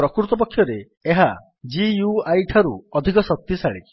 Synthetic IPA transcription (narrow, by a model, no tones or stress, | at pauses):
ɾɔkɾuɾt̪ɔp̬ɔkʰːjɔɾeː | ɦa | d͡ʒijuajʈʰaɾṵɔd̪ʱikɔsɔk̚t̪isaɭḭ